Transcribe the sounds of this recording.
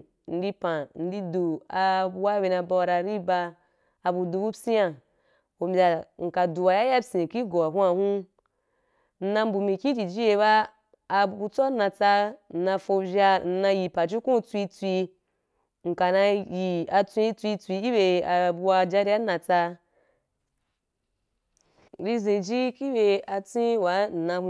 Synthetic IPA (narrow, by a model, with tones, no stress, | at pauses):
n̩˧di˧pã˨n̩˦di˧du˨a˧bu˧wa˦be˧˨na˧ba˧wa˧ɾa˧ɾi˦ba˧ | a˨bu˧du˧bu˦si˦ja˨ | ho˨mbʲa˨ŋ̩˨ka˨du˨wa˨ja˦ja˦sĩ˨ki˦ɡo˨a˨ɦu˦a˧hũ˦ | n̩˦˧na˧m̩˦bu˨mĩ˨kʲĩ˦d͡ʒi˨d͡ʒi˦je˧βaː˦˧ | bu˧t͡so˦a˦na˧t͡sa˧n̩˨nã˧fo˧vʲa˧n̩˧nã˧ji˨pa˨d͡ʒi˦kũ˦˧t͡sʷi˧t͡sʷi˧ | ŋ̩˨ka˨nã˧ji˨a˧t͡sʷĩ˧i˧˦t͡sʷi˧t͡sʷi˧ki˦be˧a˨bu˧a˧d͡ʒa˧ɾi˧a˦nã˧t͡sa˧ | ɾi˧ze˨d͡ʒi˦ki˦be˧a˧t͡sʷĩ˦wa˨˦n̩˨nã˧hu˦